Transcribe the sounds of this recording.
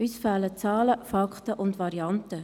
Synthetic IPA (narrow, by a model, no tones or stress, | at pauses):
ysfalət͡sɑːləfɑkχtəʔʊndʋɑɾiɑnt̪ə